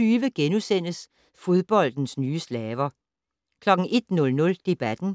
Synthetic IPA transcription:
yːʋəɡ̥enusen̰əs | fo̝ð̞ˠb̥ɒ̽l̰d̥n̩snyːəslɛːʋɐ | kʰlɒ̽ɡ̥̩ʔe̝d̥nɔ̽lnɔ̽ld̥e̝b̥æd̥n̩

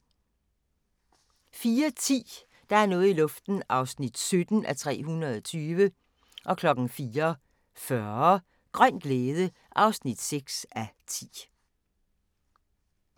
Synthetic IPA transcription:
fiːɐt͡sʰḭː | d̥ɑ̈æɐnɔ̽ːð̩ˠilɔ̽fd̥n̩ʔɑ̈ʊsnid̥sød̥n̩ʔæt͡sʰʁɛ̰ːɦunɐð̞ˠɒt͡sʰyːʋə | ʔɒ̽kʰlɒ̽ɡ̥n̩fiːɐ | fɶɐɐ | ɡ̥ʁɶn̰ɡ̥leːðˠə | ʔɑ̈ʊsnid̥seɡ̥sæt͡sʰḭː

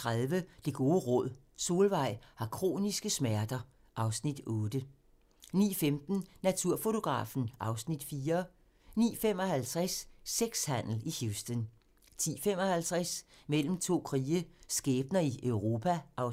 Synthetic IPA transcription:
ʁaðˠʋəd̥e̝ɡ̥o̝ːʁɔ̽ð̰ˠ | so̝ːlʋɑ̈ɪ̰hɑ̈kʰʁo̝̰ːnisɡ̥əsmæɐd̥ɐ | ʔɑ̈ʊsnid̥ɔ̽ːd̥ə | nḭːfemd̥n̩næt͡sʰuɐfo̝t͡sʰo̝ɡ̥ʁɑ̰̈ːfn̩ʔɑ̈ʊsnid̥fiːɐ | nḭːfem̰ɒ̽hælt͡sʰʁasːeɡ̥shæn̰l̩ihjusd̥ɔn | t͡sʰḭːfem̰ɒ̽hælt͡sʰʁɛs | mel̰m̩t͡sʰo̝̰ːkʰʁiːəsɡ̥ɛːb̥̚nɐiʔœʊʁo̝pʰæʔɑ̈ʊ

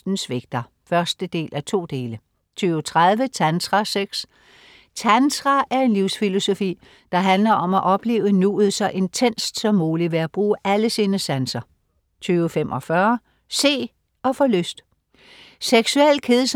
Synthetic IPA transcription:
d̥n̩sʋe̝ɡ̥̚d̥ɐ | fɶɐsd̥əd̥e̝̰ːlʔæt͡sʰo̝̰ːd̥e̝ːlə | t͡sʰyːʊt͡sʰʁað̞ˠʋət͡sʰænt͡sʁɑseɡ̥s | t͡sʰændʁɑʔæɐe̝nliʊ̰sfilo̝so̝fḭː | d̥ɑ̈ɦænlɐʔɒ̽mæʔɒ̽b̥le̝̰ːʊənuːð̩ˠsɑɪʔe̝nt͡sʰen̰sd̥sɒ̽mːuːliʋe̝æb̥ʁuːʔæləsiːnəsænsɐ | t͡sʰyːʊəfemʔɒ̽fɶɐ | se̝̰ː | ɒ̽fɔløsd̥ | seɡ̥suel̰kʰe̝ðˠs

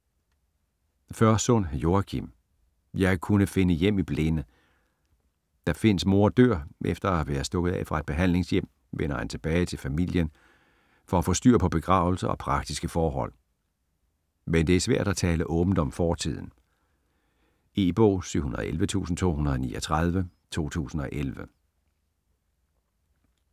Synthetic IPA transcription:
fɶɐsɔnæjo̝ækʰim | jɑ̈ɪkʰunəfe̝nəjem̰ib̥lenə | d̥ɑfe̝n̰əsmo̝ɐd̥øɐ̰ʔefd̥ɐææʋæːɐsd̥ɔ̽ɡ̥ð̩ˠɛ̰fʁɑ̈e̝d̥̚b̥e̝ɦæn̰le̝ŋsjem̰ | ʋenɐhænt͡sʰe̝b̥ɛːɪt͡sʰe̝lfæmil̰jən | fɒ̽æfɒ̽sd̥y̰ɐpʰɒ̽b̥e̝ɡ̥ʁɑ̈ʊl̩sɐɒ̽pʰʁɑ̈ɡ̥d̥isɡ̥əfɒːɦɒ̽l̰ | mend̥e̝æɐsʋæɐ̰d̥æt͡sʰɛːləʔɔ̽ːb̥n̩d̥ɒ̽mfɒːt͡sʰið̞̰ˠn̩ | e̝ːb̥ɔ̰ːsyʊ̰hunɐðˠelʋət͡sʰṵːsn̩t͡sʰo̝̰ːhunɐð̩ˠnḭːɒt͡sʰʁɑð̞ˠʋət͡sʰo̝̰ːt͡sʰṵːsn̩ɒ̽ʔelʋə

